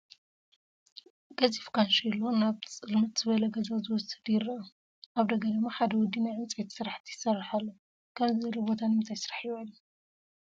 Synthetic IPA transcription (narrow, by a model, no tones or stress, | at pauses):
ɡɐzifkʰanʃilːonaβt͡sʼɨlmɨt̪z̥ɨβɐlɐɡɐzazɨwɔsɨd̪jɪrɐɐ | ʔaβd̪ɐɡɐd̪ɨmːaħad̪ɐwɔd̪ːinajʕɨmt͡sʼit̪sɨɾaħt̪ʰijɪsɐrːħalːo | kʰɐmzɨzɐlobot̪ʰanɨmɨnt̪ʰajsɨɾaħijalːu